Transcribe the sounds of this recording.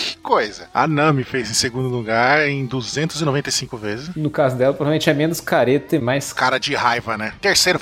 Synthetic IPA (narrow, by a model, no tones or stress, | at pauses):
kɪ̥kojzɐa̰nɐ̃mɪfejzẽj̃seɡũnd̪ʊluɡaɾẽj̃d̪uzẽnt̪ʊzɪnovẽnt̪ejsĩkʊvezɪsnʊkazʊd̪ɛlɐpɾovavemẽt͡ʃɛmẽnʊskaɾet̪ɐɪmajskaɾɐd͡ʒɪhajvɐnɛt̪eɾsejɾʊ